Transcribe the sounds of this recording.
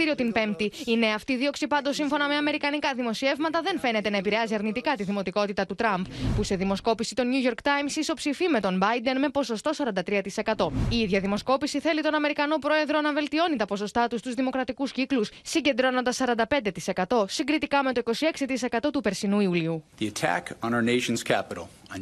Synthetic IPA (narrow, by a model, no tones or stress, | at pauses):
iɾio̞t̪inpe̞mt̪iine̞ɐft̪iːðio̞ksipɐnd̪osiɱfo̞nɐme̞ɐme̞ɾikɐnikɐðimo̞sie̞vmɐt̪ɐðe̞nfe̞ne̞t̪e̞nɐepiɾeɐziɐɾnit̪ikɐt̪iðimo̞t̪iko̞t̪it̪ɐt̪ut̪ɾɐmppuse̞ðimo̞sko̞pisit̪o̞nuʝo̞ɾkt̪ɐjmsiso̞psifime̞t̪o̞nbɐjd̪e̞nme̞po̞so̞st̪o̞sɐɾɐnd̪ɐt̪ɾiɐt̪ise̞kɐt̪o̞iiðʝɐðimo̞sko̞pisiθe̞lit̪o̞nɐme̞ɾikɐno̞pɾo̞e̞ðɾo̞nɐve̞lt̪io̞nit̪ɐpo̞so̞st̪ɐt̪ust̪uzðimo̞kɾɐt̪ikusciklussiɲɟe̞nd̪ɾo̞no̞nd̪ɐsːɐɾɐnd̪ɐpe̞nd̪e̞t̪i̥se̞kɐt̪o̞siŋɡɾit̪ikɐme̞t̪oiko̞sie̞ksit̪ise̞kɐt̪o̞t̪upe̞ɾsinuiuliuðiɨtʰæ̰kn̩əneɪʃnz̥kʰæ̰pəɾl̩ˠ